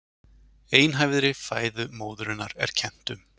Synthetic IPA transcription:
eːjnɦajvðɪɾɪfaːjðʏmoːwðʏɾɪnːaɾɛ̰ɾ̥cʰɛn̥t̪ʏm

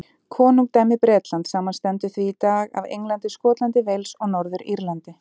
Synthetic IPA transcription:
kʰɔːnuŋk̚t̪aːjmɪpɾɛːt̪lant̪saːmanst̪ɛnt̪ʏθviːt̪aːɣa̰vḛjŋlant̪ɪskɔːt̪lant̪ɪvejlsɔɣnɔɾðʏɾiɾlant̪ɪ

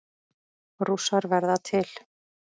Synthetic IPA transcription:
rusaɾvɛɾðat̪ʰɪl

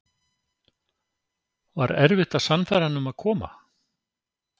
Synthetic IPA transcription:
va̰ɾɛɾvɪht̪asanfɛɾanʏmaðkʰɔːma̰

